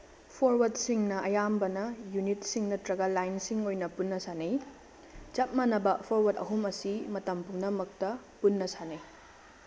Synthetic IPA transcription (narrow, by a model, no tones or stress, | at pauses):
pʰoɾwɐd̚siŋnɐɐjambɐnɐjunitsiŋnɐtɾɐɡalajnsiŋojnɐpunːɐsanej | d͡ʒɐt̚mɐnɐbɐpʰoɾwɐdɐ̰ɦumɐsimɐtɐmpuŋnɐmɐk̚tɐ | punːɐsanɐj